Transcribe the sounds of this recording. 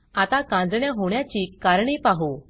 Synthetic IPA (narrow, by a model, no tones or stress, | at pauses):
at̪akãd͡zɳjaɦoɳjat͡ɕiːkaɾɳiːpaɦo